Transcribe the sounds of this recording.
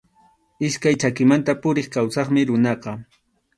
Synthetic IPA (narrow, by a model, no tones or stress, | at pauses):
ɪskajt͡ʃakɪmant̪apʊɾeχkawsɑχmɪɾʊnɑqɑ